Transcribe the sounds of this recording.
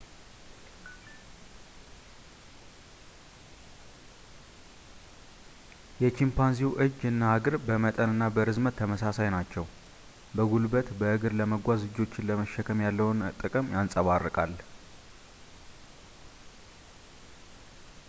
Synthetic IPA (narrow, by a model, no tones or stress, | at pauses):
jɛt͡ʃimpanziwʔɨd͡ʒɨnːaaɡɨɾbəmət̪ʼənɨnːabəɾɨzmət̪ʰːəməsasajnat͡ʃːɛw | bəɡulbət̪bəʔɨɡɨɾləməɡʷazlɨd͡ʒo̞t͡ʃːɪnləməʃːəkʰəmjalːəwʊnt̪ʼɨkʼɨmjansʼəβarːɨkʼal